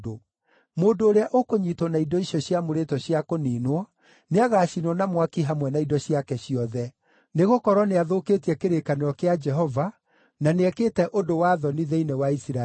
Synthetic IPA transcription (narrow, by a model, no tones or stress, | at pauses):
do | moːndoːɾeaʔokoɲitɔnaidɔiɕɔɕjamoɾetɔɕjakoniːnwɔ | neaɣaːʃinwɔnamwakiɦamwɛnaidɔɕiakɛɕjɔðɛ | neɣokɔɾɔneaðoketiɛkeɾekaneɾɔkead͡ʒɛɦɔva | naneɛkeːtɛʔodowaðɔniðeinɛwaisɾa